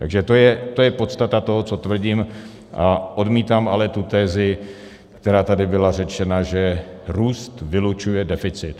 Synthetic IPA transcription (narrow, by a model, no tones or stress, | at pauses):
t̪aɡʒɛt̪ojɛt̪o̞jɛpo̞t̪st̪at̪at̪o̞ɦot͡so̞t̪vr̩ɟiːm | ʔaʔo̞dmiːt̪amalɛt̪ut̪ɛːzɪ | kt̪ɛɾaːt̪adɪbɪlarɛt͡ʃɛnaʒɛɾuːst̪vɪlut͡ʃujɛdɛfɪt͡sɪt̪